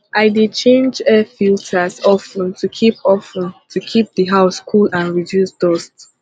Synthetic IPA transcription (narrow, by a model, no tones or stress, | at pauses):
ʔaɪdit͡ʃʰẽnd͡ʒɛfiltasɔfə̃ntʰukʰipʰɔfə̃ntʰukʰip̚ðəɦaʊskʰulãnɹidjusdɔst